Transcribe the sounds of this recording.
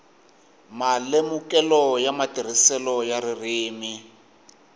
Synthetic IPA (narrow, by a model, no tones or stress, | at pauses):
malemukɛlɔjamatir̤isɛlɔjaririːmi